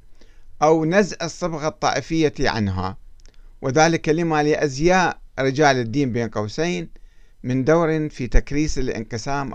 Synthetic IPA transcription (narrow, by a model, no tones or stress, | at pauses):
ʔawnazʕʔɨsˤːɨbɣɑt̪ˤːɑ̰ːʔɪfɪjːaʕa̰nɦa̰ | wɪðaːlɪkːalɪmalɪʔazjaːʔɾɪd͡ʒaːlɪd̪ːiːmbeːnqɑwseːn | mɪnd̪awɾɪfiːt̪akɾiːsɪlʔɪ̰nqɨsaːmʔ